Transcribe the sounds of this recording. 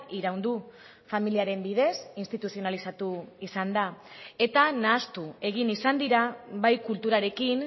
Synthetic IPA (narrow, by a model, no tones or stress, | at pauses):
iɾawnd̪u | familiaɾe̞mbið̞e̞sinst̪it̪usio̞nalisat̪uisand̪ae̞t̪anaːst̪ue̞ɣ̞inisand̪iɾaβajkult̪uɾaɾe̞kin